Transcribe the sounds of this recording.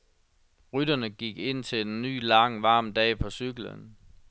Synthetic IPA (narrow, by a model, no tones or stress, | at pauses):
ʁyd̥ɐnəɡ̥iɡ̥e̝n̰t͡sʰe̝enːy̰ːlɑ̈ŋʋɑ̈ːmd̥ɛ̰ːpʰɒ̽syɡ̥lə̰n